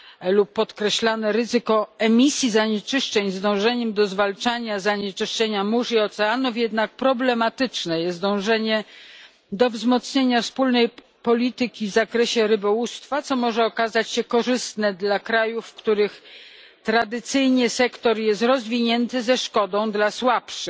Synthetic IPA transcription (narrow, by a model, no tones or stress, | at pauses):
lupːɔt̪kɾɛɕlanɛɾɘzɘkɔɛmʲisʲjizaɲɛt͡ʂɘʂt͡ʂɛɲzd̪ɔ̃w̃ʐɛɲɛmd̪ɔzvalt͡ʂaɲazaɲɛt͡ʂɘʂt͡ʂɛɲamuʐiɔt̪sɛanufjɛd̪nak̚pɾɔblɛmat̪ɘt͡ʂnɛjɛst̪d̪ɔ̃w̃ʐɛɲɛ | d̪ɔvzmɔt̪sɲeɲafspulnɛj | pɔlʲit̪ɘkʲivzakɾɛɕɛɾɘbɔwust̪fat̪sɔmɔʐɛɔkazat͡ɕɕɛkɔʐɘst̪nɛd̪lakɾajufːkt̪uɾɘx | t̪ɾad̪ɘt̪sɘjɲɛsɛkt̪ɔɾjɛst̪ɾɔzvʲiɲɛnt̪ɘzɛʂkɔd̪ɔ̃w̃d̪laswapʂɘ